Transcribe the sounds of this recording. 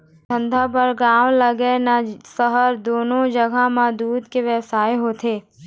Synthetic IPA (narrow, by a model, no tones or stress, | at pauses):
t̪ʰə̃nd̪ʱapəɾɡãːʋləɡenasəɦəɾd̪oːnod͡ʒəɡʱamãd̪uːd̪ʱkeʋɛsaːeɦot̪ʰeː